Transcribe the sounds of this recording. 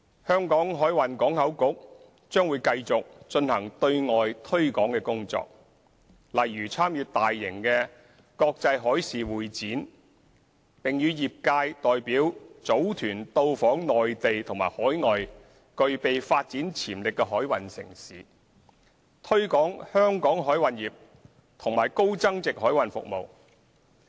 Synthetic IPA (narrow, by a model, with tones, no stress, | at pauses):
hœː˥ŋkɔː˨˥ŋɦɔː˨˥jwɐ˨˩nkɔː˨˥ŋhɐ˨˥wkʊ˨˥k̚ | t͡ʃœː˥ŋwuː˨˧jkɐ˧jt͡sʊ˨k̚t͡ʃɵ˧nhɐ˨˩ŋt̪ɵ˧ɥŋɔː˨jt̪ʰɵ˥ɥkɔː˨˥ŋkɛ˧kʊ˥ŋt͡sɔ̰ː˧k̚ | lɐ˨˩jjyː˨˩t͡sʰaː˥mjyː˧tt̪aː˨jːɪ˨˩ŋkɛː˧ | kɔː˧k̚t͡sɐ˧jɦɔː˨˥jsiː˨wuː˨jt͡siː˨˥n | pɪ˨ŋjyː˨˧jiː˨p̚kaː˧jt̪ɔː˨jpiː˨˥wt͡so˨˥wt̪ʰyː˨˩nt̪o˧wfɔː˨˥ŋnɔː˨jt̪e˨jt̪ʰʊ˨˩ŋmaː˨jhɔː˨˥jŋɔː˨j | kɵ˧ɥpe˨jfaː˧t̚t͡siː˨˥nt͡sʰiː˨˩mlɪ˨kːɛ˧ɦɔː˨˥jwɐ˨nsɪ̰˨˩ŋsiː˨˥ | t̪ʰɵ˥ɥkɔː˨˥ŋhœː˥ŋkɔː˨˥ŋɦɔː˨˥jwɐ˨njiː˨p̚ | t̪ʰʊ˨˩ŋmaː˨˩jko˥wt͡sɐ˥ŋt͡sɪ˨k̚ɦɔː˨˥jwɐ˨nfʊ̰˨k̚mo˨w